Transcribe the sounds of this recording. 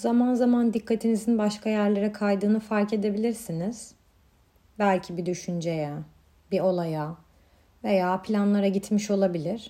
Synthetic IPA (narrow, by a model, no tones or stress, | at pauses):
zamanzamand̪ikʰːat̪ʰinizinbaʃkʰajæɾlʲeɾɛkʰajd̪ɯːnɯfaɾce̞d̪e̞bilʲiɾsiniz̥ | bælʲcʰibid̪yʃynd͡ʒe̞jɛ | bio̞lˠaja | ve̞jaːpʰlʲanlˠaɾaɟit̪ʰmiʃo̞lˠabilʲiɾ̥